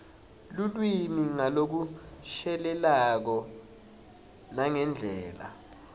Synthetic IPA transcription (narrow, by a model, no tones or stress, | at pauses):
lulwiniŋalok̬uʃɛlɛlak̬ɔ | naŋɛnd͡ɮʱɛːla̰